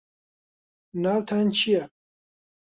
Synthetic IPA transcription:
naːwt̪ʰant͡ʃʰijɛ

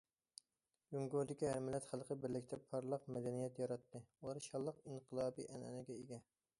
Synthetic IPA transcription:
juŋɡoɾd̪ɪkʲihæɾmɪlɛt̪χəlˠqʰəbɪɾlɪkʲt̪ʰɛpʰːɑɾlˠəqmɛd̪ɛnijɛt̪jɑɾɑt̪ʰːɨulˠɑɾʃɑlˠːəqinqʰəlˠɑːbḭʔɛnɛ̰nɛɡʲɛeɡʲɛ

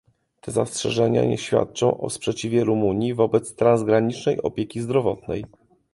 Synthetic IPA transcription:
t̪ʰɛzastʂɛʐɛɲa̰ɲɛ̰ɕfʲja̰t̪̚t͡ʂɔ̃w̃ʔɔ̰spʂɛt͡ɕivʲjɛɾumuɲjivɔbɛt̪st̪ɾanzɡɾaɲit͡ʂnɛjɔ̰pʲjɛkʲizd̪ɾɔvɔt̪̚nɛj

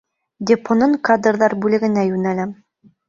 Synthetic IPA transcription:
d̪ʲepʰonɤɴkad̪rðɑɾbʉlɘ̆ɡɘ̆næjʉnælæm

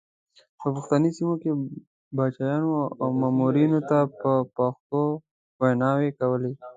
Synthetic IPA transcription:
pəpʊxt̪anisimoke | bɑt͡ʃɑjɑnoawmɑːmuɾinot̪apəpaxt̪o | wanɑwekawəle

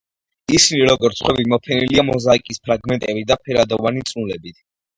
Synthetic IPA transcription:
isiniɾɔɡɔɾt̪sʰχwɛbimɔpʰɛniliamɔzaikʼispʰɾaɡmɛnt̪ʼɛbid̪apʰɛɾad̪ɔvanit̪sʼulɛbit̪ʰ

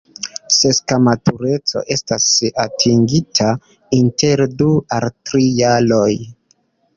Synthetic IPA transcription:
se̞skamatʰuɾe̞t͡so̞̰ʔe̞stasatʰiŋɡitʰa | inte̞ɾdualtɾijalo̞j

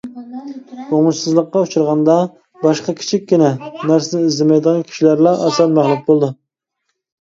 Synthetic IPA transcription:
oŋʊʃsɨzlˠəqːɑut͡ʃʰuɾʁɑnd̪ɑ | bɑʃqɑkʲʰi̥t͡ʃʰikʲːinɛnæɾsɪnɪizlɪmɛjd̪əʁɑnkʲʰi̥ʃilæɾlˠɑʔɑsɛlmæχlˠɪk̚bolˠd̪ɨ

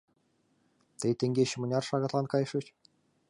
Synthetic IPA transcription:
t̪ejt̪ʲeŋɡʲeɕɘ̆mɤ̆nʲɑrʃɑɣɑt̪lˠɑnkɑjʂɤt͡ɕ

